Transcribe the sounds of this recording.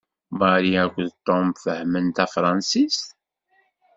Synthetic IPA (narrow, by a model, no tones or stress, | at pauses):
mɑɾiækʷːðt̪ˤːomfəhmənt̪æfɾˤɑnsist̪